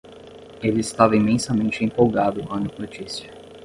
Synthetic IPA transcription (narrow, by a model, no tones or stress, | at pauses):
elɪɪst̪avɐĩmẽsɐmẽnt͡ʃɪẽpowɡad̪ʊvɐ̃nd̪ʊnot͡ʃisiɐ